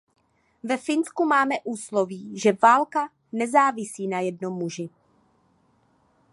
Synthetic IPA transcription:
vɛfɪnskumaːmɛʔuːsloviːʒɛvaːlka | nɛzaːvɪsiːnajɛdno̞mːuʒɪ

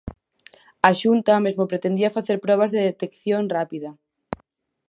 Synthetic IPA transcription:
aʃunt̪ɐmezmopɾet̪ẽnd̪iɐfaθeɾpɾɔβ̞azðeðet̪ekθjoŋrapiðɐ

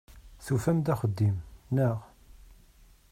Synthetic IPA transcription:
θufæmd̪æχəd̪ːimnəʁ

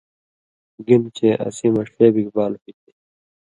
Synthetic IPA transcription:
ɡimt͡ɕeːʔɐ̰simɐʂeːbikbaːlpit̪i̥

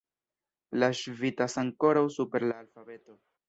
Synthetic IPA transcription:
laʃvitasaŋko̞ɾawsupe̞ɾlaːlfabe̞to̞

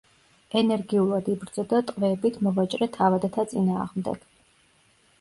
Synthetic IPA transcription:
ɛnɛɾɡiulˠad̪ibɾd̪zɔd̪at̪ʼqʼvɛːbit̪ʰmɔvat͡ʃʼɾɛt̪ʰavad̪at̪ʰat̪sʼinaːʁmd̪ɛ̰ɡ̥

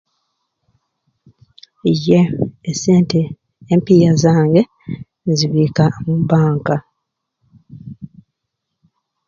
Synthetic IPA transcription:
ijːeːseːnte | empijazaːŋɡe̞ | ziβiːkamubaːŋka

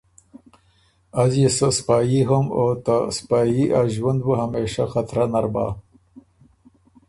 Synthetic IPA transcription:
azjesəspaːjiɦɐmot̪aspaːjiʔaʒwand̪̚buɦameːʃaxat̪ɾanaɾba̰ː

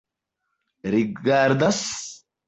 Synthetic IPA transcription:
ɾɪɡaːɾd̪ɐs

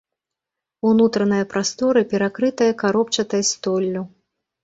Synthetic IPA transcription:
unut̪ɾɐnɐjɐpɾast̪ɔɾɨpʲɛɾakɾɨt̪ɐjɐkaɾɔp̚t͡ʃɐt̪ɐjɐst̪ɔlʲːu

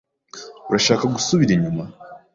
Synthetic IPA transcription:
uɾaʃaːkaɡusuβiɾiɲuma

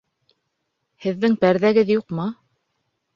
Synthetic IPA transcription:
hɘ̆ðːɘŋpæɾðæɡɘðjuqmɤ

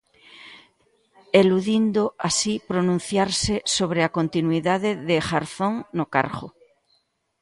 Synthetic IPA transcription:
eluðind̪oʔasipɾonũn̟θjaɾsesoβ̞ɾeakont̪inwiðaðeðɪxaɾθoŋnoka̰ɾɣo

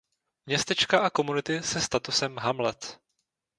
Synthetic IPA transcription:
mɲɛst̪ɛt͡ʃkaʔako̞munɪt̪ɪsɛst̪at̪usɛmɦamlɛt̪

